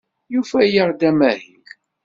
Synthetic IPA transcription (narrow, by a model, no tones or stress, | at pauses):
jufæjəʁd̪æmæhil